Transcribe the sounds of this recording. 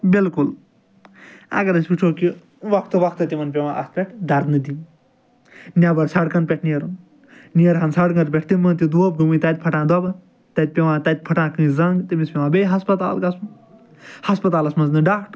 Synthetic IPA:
bilkul | ɐ̰ɡɐɾɐsʲpʲit͡ʃʰoːki | ʋɐkʰt̪ɨʋɐkʰt̪ɨt̪imɐnp̬ʲeʋãːʔɐst̪̚pʲeʈʰd̪ɐɾd̪nɨd̪i | nʲabɐɾsɐɽkɐnpʲeʈʰnieɾun | nieɾɦɐnsɐɽɡɐɾp̬ʲeʈʰt̪imɐnt̪id̪uob̚ɡumɨ̃t̪ɐt̪̚ʲpʰɐʈãːd̪ɐbɐ | t̪ɐt̪̚pʲeʋãːt̪ɐt̪̚ʲpʰɐʈãːkɨ̃zɐŋɡt̪imispʲewãːbejɦɐspɐt̪a̰ːlkɐsm | hɐspɐt̪aːlɐsmɐznɨɖakʰʈ

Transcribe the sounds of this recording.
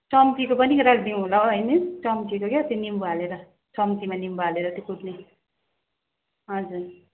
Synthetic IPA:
t͡sʌmt̪ikopʌnikɾakʰd̪ĩɦulaɦʌjnet͡sʌmtikoket̪jonimbualeɾʌ | t͡sʌmt̪imanimbaleɾʌt̪jokuʈne | ɦʌd͡zur

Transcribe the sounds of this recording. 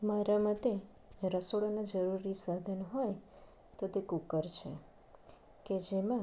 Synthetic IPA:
maɾamat̪e | ɾəsoɭanad͡ʒəɾuɾisad̪ʱənɦɔj | t̪ot̪ekukəɾt͡ʃʰḛ | ked͡ʒemã

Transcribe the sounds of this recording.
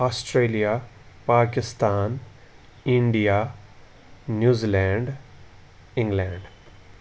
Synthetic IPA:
aːsʈɾeːlija | paːkɪst̪aːn | ɪ̃ɳɖija | njuːziːlɛ̃ːɳɖ | ɪ̃ŋɡlɛ̃ːɳɖ

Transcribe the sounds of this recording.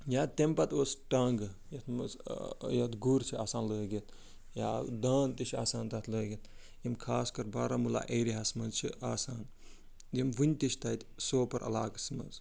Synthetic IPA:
jaːt̪empɐt̪oːsʈɐŋɡjɐt̪ʰmsjɐt̪ɡuɾt͡ʃʰiaːsaːnləːɡit̪ | jaːd̪aːnt̪iʃʰa̰ːsaːnt̪ɐt̪ʰləːɡʲit̪ | jɐmkʰaːskɐɾbaːɾamula̰ʔeːɾiɦɐsmɐzt͡ʃʰiʔaːsaːn | jimʋɨnʲt̪iʃʰʲt̪ɐt̪ʲsoːpɐɾʔɐ̰laːkɐsmɐ̰z

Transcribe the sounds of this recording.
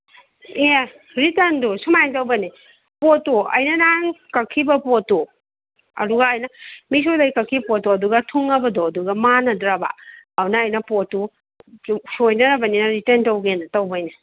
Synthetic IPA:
e | ɾiteɾndusumajntɐwbɐni | potuɐ̰jnɐnaŋkɐkʰːibɐpoto | ɐ̰duɡaːjnɐmis̬odɐjkɐkʰːipotuɐduɡɐtʰuŋɐbɐdɔːduɡɐmanɐdɾaba̰awnɐːjnɐpotu | sojnɐɾɐbɐninɐɾitɐntɐwɡentɐwbɐjni

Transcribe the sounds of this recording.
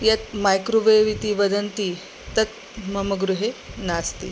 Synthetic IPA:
jɐt̪̚majkɾuʋəjʋit̪iːʋəd̪ənt̪iː | t̪ɐt̪̚ | mɐməɡɾuɦenast̪ḭː

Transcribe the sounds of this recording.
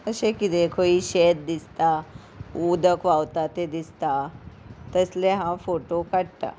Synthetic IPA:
əɕẽkit̪ekʰoiɕet̪̚d̪ist̪a | ud̪əkʋawt̪at̪ed̪ist̪a | t̪əsleɦãfoʈokaɽt̪a̰

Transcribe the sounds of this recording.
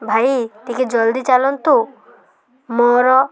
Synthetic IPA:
bʱait̪ikʰid͡ʒɔld̪it͡ʃalɔnt̪u | mɔɾɔ

